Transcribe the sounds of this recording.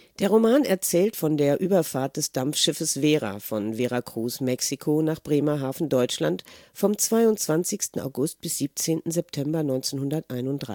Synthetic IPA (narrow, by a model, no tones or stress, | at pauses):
d̥eːɐʁomaːnɛɐt͡sɛːltfɔndeːɐʔyːbɐfaːɐt̚d̥ɛsd̥amfʃɪfəsv̥eːʁa̰fɔnveːʁakʁ̥uːsmɛksikʰonaːχb̥ʁeːmaɦaːfn̩dɔʏt͡ʃlantfɔmt͡sv̥aɪʊnt͡sv̥ant͡sɪçstn̩a̰ʊɡʊst̚b̥ɪsz̥iːp̚t͡seːntn̩zɛptʰɛmbɐnɔʏnt͡seːnɦʊndɐtʔaɪnʊntd̥ʁa